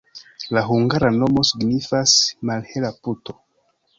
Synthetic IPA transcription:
laɦuŋɡaɾano̞mo̞siɡnifasmalhe̞laputo̞

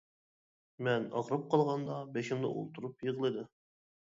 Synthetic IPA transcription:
mɛnɑ̰ʁɾɨp̚qʰɑlˠʁɑnd̪ɑbeʃɪmnɨ̰ʔo̰lˠt̪ʰuɾupjəʁlˠɨd̪ɨ

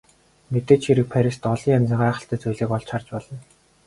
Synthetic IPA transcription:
met̪eːt͡ɕʰxeɾɘ̆k̚pʰæɾʲist̪ɔɮiːŋamʲt͡sĭːŋɢaːχə̥̆ɬt̪æːt͡sujɮeːkɔɮt͡ɕχart͡ɕpɔɮɞ̆n

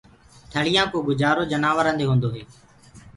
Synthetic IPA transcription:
t̪ʰəɭɪjãːkoːɡʊd͡ʒaːɾoːd͡ʒənaːʋəɾə̃nd̪eːɦõːnd̪oːɦeː

